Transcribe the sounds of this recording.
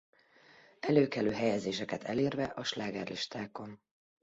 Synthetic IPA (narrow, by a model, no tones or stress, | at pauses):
ɛløːkɛløːɦɛjɛzeːʃɛkɛt̪ʰɛleːrvɛʔɒʃlaːɡɛrliʃt̪aːko̞n